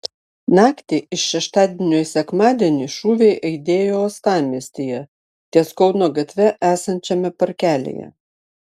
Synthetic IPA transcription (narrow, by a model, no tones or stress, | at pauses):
nɑːkt̪ʲɪɪʃʃʲɛʃt̪ɑːd̪ʲɛnʲoːjsʲɛkmɑːd̪ʲiɛnʲiʃuːʋʲɛɪʔɐɪd̪ʲeːjoːɐst̪ɑːmʲiɛsʲt̪ʲijɛ | t̪ʲiɛskɔʊnoːɡɐt̪ʲʋʲɛʔæːsɐnʲt͡ʃʲɛmʲɛpɐɾʲkʲæːlʲḛjɛ̰